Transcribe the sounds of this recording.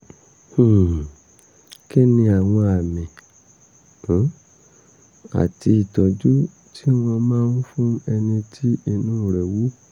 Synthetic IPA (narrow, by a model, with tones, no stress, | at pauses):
hũ˦˨ | ke˦nĩ˧a˨w̃ɔ̃˧a˨mĩ˨˦ | a̰˨ti˧i˨tɔ˨d͡ʒu˦ | tʰi˦w̃ɔ̃˧mãː˦nũ˦fũ˦ɛ˧nĩ˧tʰi˦i˧nũː˦˨ɾɛ˨wu˦